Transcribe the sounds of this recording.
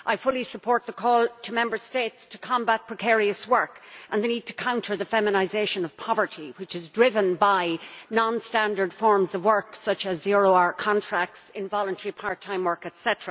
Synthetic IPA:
ʔaɪfʊlˠisəpʰɔɹt̪̚ðəkʰɔːlˠtʰəmɛ̃mbə˞steɪtstʰəkʰɑ̃mbat̚pʰɹ̥əkʰɛɹiəswɜ˞kʔə̃nðənid̚tʰə̥kʰãʊ̃ntʰə˞ðəfɛmənaɪzeɪʃə̃nʌv̥pʰɑvə˞ɾiwɪt͡ʃɨzdɹɪvə̃nbaɪnɑ̃nstæ̃ndə˞d̥fɔɹmzʌvwɜ˞ksʌt͡ʃəzːiɹoʊaɹkʰɑ̃ntʰɹ̥æk̚tsɪ̃nvɑlˠə̃ntʰɛɹipʰaɹtʰãɪ̃mwɜ˞kɛtsɛtəɹə

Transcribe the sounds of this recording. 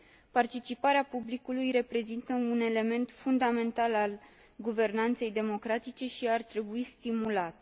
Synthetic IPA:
part̪it͡ʃipaɾeapublikulujre̞pɾe̞zint̪əune̞le̞me̞nt̪fund̪ame̞nt̪alal | ɡuve̞rnant̪se̞jd̪e̞mo̞kɾat̪it͡ʃe̞ʃiart̪ɾe̞buist̪imulat̪

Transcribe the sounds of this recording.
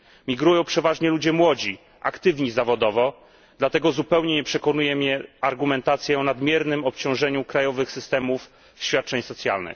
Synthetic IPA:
mʲiɡɾujɔ̃w̃pʂɛvaʐɲɛlud͡ʑɛmwɔd͡ʑi | ʔakt̪ɘvɲizavɔd̪ɔvɔ | d̪̥lat̪ɛɡɔzupɛwɲɛɲɛpʂɛkɔnujɛmʲjɛaɾɡumɛnt̪at̪sʲjɛɔnad̪mʲjɛɾnɘmɔp̚t͡ɕɔ̃w̃ʐɛɲukɾajɔvɘxsɘst̪ɛmuf | ɕfʲat̪̚t͡ʂɛɲsɔt̪sʲja̰lnɘ̰x

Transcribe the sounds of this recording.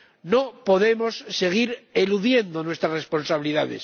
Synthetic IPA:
no̞po̞ðe̞mo̞sːe̞ɣ̞iɾeluðje̞nd̪onwest̪ɾasre̞spo̞nsaβiliðaðḛs

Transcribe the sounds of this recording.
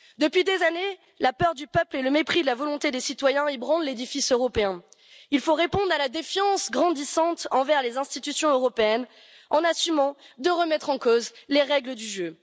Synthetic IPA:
d̪əpɥid̪ezane | lapœʁd̪ypœpleləmepχid̪əlavɔlɔ̃t̪ed̪esit̪wajɛ̃ebʁɑ̃lled̪ifisøʁɔpeɛ̃ | ilfoʁepɔ̃d̪ʁalad̪efjɑ̃sɡʁɑ̃d̪isɑ̃t̪ɑ̃vɛʁlezɛ̃st̪it̪ysjɔ̃øʁɔpeɛn | ɑ̃nasymɑ̃d̪əʁəmɛt̪χɑ̃kozleʁɛɡləd̪yʒø

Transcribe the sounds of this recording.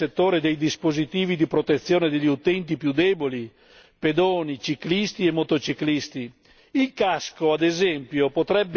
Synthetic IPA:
et̪ːoːɾed̪ejd̪ispozit̪iːvid̪ipɾot̪et̪sːjɔːned̪eʎːiut̪ɛnt̪̬ipjud̪ɛːboli | ped̪oːnit͡ʃiklist̪iɛmːot̪ot͡ʃiklist̪i | ilkaskoad̪ezɛmpjopot̪ɾɛbː

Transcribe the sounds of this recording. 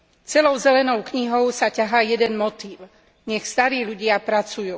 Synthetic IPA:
t͡sɛlɔʊzɛlɛnɔʊkɲiɦɔʊsacaɦaːjɛd̪ɛnmɔt̪iːʊ | ɲɛxst̪aɾiːʎuɟɪapɾat͡sujuː

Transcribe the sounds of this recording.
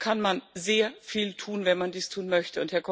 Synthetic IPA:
kʰanmanzeːɐfiːltʰuːnvɛnmandiːstʰuːnmœçtəʊnthɛɐkʰɔ

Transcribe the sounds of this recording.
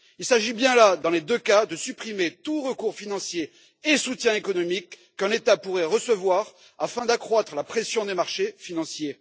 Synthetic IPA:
ilsaʒibjɛ̃lad̪ɑ̃led̪økad̪əsypχimet̪uʁəkuʁfinɑ̃sjeː | sut̪jɛ̃ekɔnɔmikː | ɛ̃net̪apuʁɛʁəsəvwaʁ | afɛ̃d̪akχwat̪χəlapχesjɔ̃d̪emaʁʃefinɑ̃sje

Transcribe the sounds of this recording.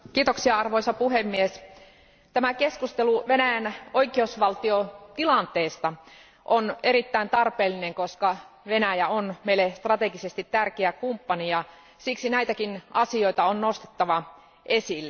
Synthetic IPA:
kiːt̪oksiɑɑrʋoisɑpuɦemːies | t̪æmækeskust̪eluʋenæjænʔoikˑeeusʋɑlt̪iot̪ilɑnt̪eːst̪ɑ | ʔone̞ɾit̪ːæint̪ɑrpeːlːineŋkoskɑ | ʋenæjæonmeilːest̪rɑt̪eɡisest̪it̪tærkeækumpːɑnijɑ | siksinæit̪ækinʔɑsio̞it̪ɑonnost̪e̥t̪ːɑʋɑ | ʔesilːe

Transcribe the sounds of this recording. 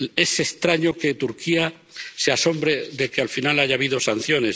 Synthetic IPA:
e̞se̞st̪ɾaɲo̞ke̞t̪uɾkia | seaso̞mbɾeðe̞kealfinalaʝaːβ̞iðo̞san̟θjo̞ne̞s

